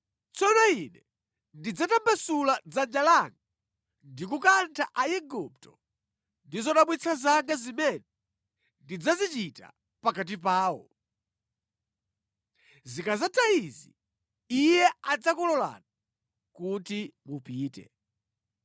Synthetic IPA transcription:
t͡sɔnainɛ | ndid͡zatambasulad͡zand͡ʒalaŋɡa | ndikukantʰaʔajɛɡup̚tɔ | ndizɔɗaɓwit͡sʰazaŋɡazimɛnɛ | ndid͡zazit͡ʃita̰ | pakat̬ip̬aːwɔ̰ | zikazataizi | ijɛad͡zakɔlɔla̰na | kutimupiːtɛ̰

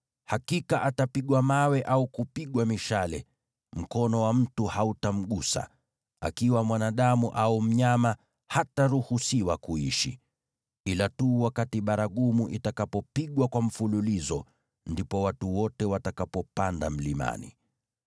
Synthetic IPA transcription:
hakikaʔatapiɠwamawɛʔaukupiɠwamiʃalɛ | m̩kɔnɔwam̩tuhautam̩ɠusa̰ | a̰kiwamwanaɗamuʔaum̩ɲama | hataɾuhusiwakuiʃi | ilatuːwakatiɓaɾaɠumuʔitakapɔpiɠwakwam̩fululizɔ | ndipɔwatuwɔtɛwatakapɔpandam̩lima̰nḭ

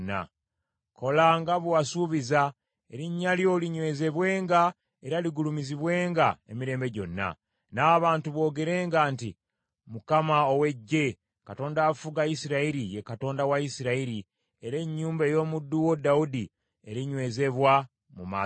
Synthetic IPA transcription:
nːa̰ | ko̞laŋɡaβwwasuːβiza | e̞ɾiɲːaljo̞liɲwe̞ːze̞βwe̞ːŋɡa | e̞ɾaliɡulumiziβwe̞ːŋɡaemiɾe̞ːmbe̞ɟo̞̰nːa̰ | naːβaːntuβwo̞ːɡe̞ɾe̞ːŋɡaːnti | mukamaowe̞ɟːe̞ | kato̞ːndaːfuɡajisiɾaiɾijekato̞ːndawaisiɾaiɾi | e̞ɾe̞ɲːuːmbejo̞ːmudːuwo̞daudi | e̞ɾiɲwe̞ːze̞βwa | muma̰ː

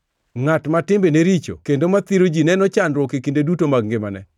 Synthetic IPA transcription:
ŋatmatɪmbeneɾit͡ʃo̰kendomat̪iɾod͡ʒinɛnɔt͡ʃanɾwɔkekindedutomaɡ̚ŋɡɪmanɛ̰

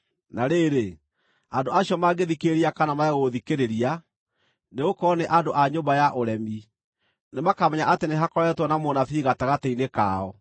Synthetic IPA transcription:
naɾeɾe | andoaɕiɔmaɡeðikeɾiakanamaɛɣoðikeɾeɾia | neɣokɔneʔandoʔaɲombajaʔoɾɛmi | nemakamɛɲaʔateneɦakɔɾɛtwɔnamonaθiɣataɣatɛineka̰ɔ

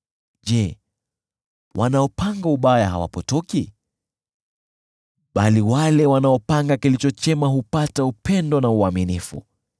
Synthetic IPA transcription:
ʄɛ | wʔa̰naɔpaŋɡauɓajaɦa̰wa̰pɔtɔki | ɓaliwalɛwanaɔpaŋɡakilit͡ʃɔt͡ʃɛmaɦupataupʰɛndɔnauaminifṵ

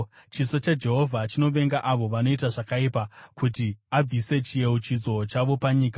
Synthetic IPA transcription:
t͡ʃiso̞t͡ʃad͡ʒe̞ɦo̞vʱat͡ʃino̞ʋe̞ŋɡaʔaʋo̞ʋano̞itaʐakaipakutiab͡vise̞t͡ʃije̞ut͡ʃid͡zo̞t͡ʃaʋo̞paɲiːka

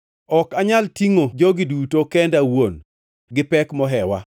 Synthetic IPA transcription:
ɔkaɲaltiŋod͡ʒoɡɪdutokɛndawon | ɡɪpɛkmɔɦɛwa̰

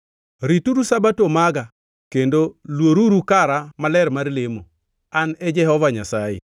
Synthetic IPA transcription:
ɾituɾusabatomaɡa | kendolwoɾuɾukaɾamalɛɾmarlemo | anɛd͡ʒɛhɔvaɲasajḛ

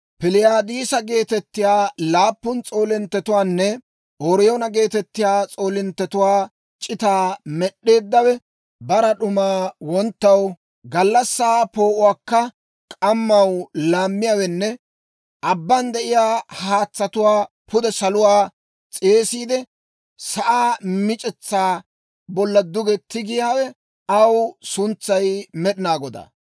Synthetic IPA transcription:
pɪlɪjaːd̪iːsɐɡe̞ːt̪ɛt̪ːɪjaːlaːpːʊnt͡sʼo̞ːlɪnt̪ːɛt̪ʊwaːnːɛ | ʔoːɾjonɐɡe̞ːt̪ɛt̪ːɪjaːt͡sʼo̞ːlɪnt̪ːɛt̪ʊwaː | t͡ʃʼɪt̪aːmɛɗːe̞ːd̪ːɐwɛ | bɐɾɐɗʊmaːwɔnt̪ːɐw | ɡɐlːɐsːaːpo̞ːʔʊwaːkːɐ | kʼɐmːɐwlaːmːɪjawɛnːɛ | ʔɐbːɐnd̪ɛʔɪjaːhaːt͡sːɐt̪ʊwaːpʰʊd̪ɛsɐlʊwaː | t͡sʼeːsiːd̪ɛ | sɐʔaːmɪt͡ʃʼɛt͡sːaː | bɔlːɐd̪ʊɡɛt̪ːɪɡɪjaːwɛ | ɐwsʊnt͡sːɐjmɛɗɪnaːɡɔd̪a̰ː

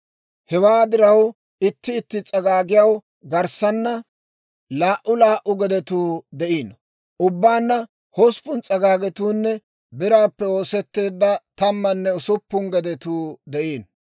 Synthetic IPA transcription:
hɛwaːd̪ɪɾɐw | ɪt̪ːɪːt̪ːɪt͡sʼɐɡaːɡɪjɐw | ɡɐɾsɐnːɐ | laːʔʊlaːʔʊɡɛd̪ɛt̪uːd̪ɛʔiːn | ʔʊbːaːnːɐ | hɔspʊnt͡sʼɐɡaːɡɛt̪uːnːɛ | bɪɾaːpːɛo̞ːsɛt̪ːe̞ːd̪ːɐt̪ɐmːɐnːɛʊsʊpːʊŋɡɛd̪ɛt̪uːd̪ɛʔiːn

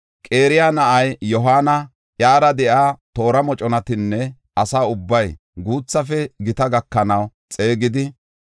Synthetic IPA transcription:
kʼe̞ːɾɪjaːnɐʔɐjːɔɦaːnɐ | ʔjaːɾɐd̪ɛʔaːt̪o̞ːɾɐmɔt͡ʃʼɔnɐt̪ɪnːɛ | ɐsaːʊbːɐj | ɡuːt͡sːɐfɛɡɪt̪ɐɡɐkːɐnɐw | t͡sʼe̞ːɡɪd̪ɪ

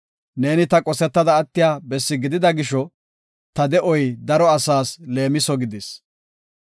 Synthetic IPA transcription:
ne̞ːnɪt̪ɐkʼɔsɛt̪ːɐd̪ɐːt̪ːɪjaːbɛsːɪɡɪd̪ɪd̪ɐɡɪʃːɔ | t̪ɐd̪ɛʔɔjd̪ɐɾɔɐsaːsle̞ːmɪsɔɡɪd̪ɪs

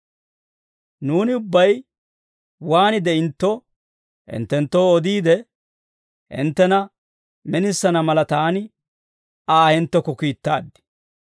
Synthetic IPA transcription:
nuːnɪʊbːɐj | waːnɪd̪ɛɪnt̪ːɔ | hɪ̰nt̪ːɛnt̪ːo̞ːɔd̪iːd̪ɛ | ɪ̰nt̪ːɛnɐ | mɛnɪsːɐnɐmɐlɐt̪aːnɪ | aːhɛnt̪ːɔkɔkiːt̪ːaːd̪ːɪ̥

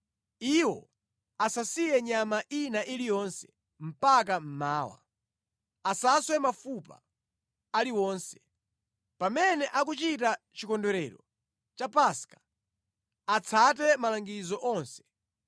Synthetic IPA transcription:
iwɔ̰ | asasijɛɲamaʔinaʔilijɔnsɛ̥ | m̩pak̬am̩maːwa̰ | asaswɛmafupa̰ | aliwɔːnsɛ̥ | pamɛnɛʔak̬ut͡ʃit̬at͡ʃikɔndɛɾɛɾɔ | t͡ʃapaskḁ | at͡sʰat̬ɛmalaŋɡizɔʔɔnsɛ̥

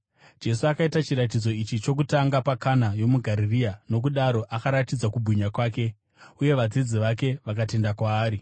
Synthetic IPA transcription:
d͡ʒe̞suakaitat͡ʃiɾat̬id͡zo̞it͡ʃit͡ʃo̞kutaŋɡapakanajo̞muɡʱaɾiriano̞kuɗaɾo̞ʔakaɾatid͡zakubʱiɲakwaːke̞ | uje̞ʋad͡zid͡ziʋake̞ʋak̬ate̞ndakwaːɾi

